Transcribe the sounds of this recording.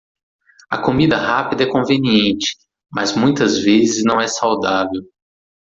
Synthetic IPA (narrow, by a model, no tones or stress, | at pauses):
ɐ̰komid̪ɐhapid̪ɐɛkõveniẽnt͡ʃɪ̥ | mɐ̰zmũj̃t̪ɐzvezɪznɐ̃w̃ɛsawd̪avew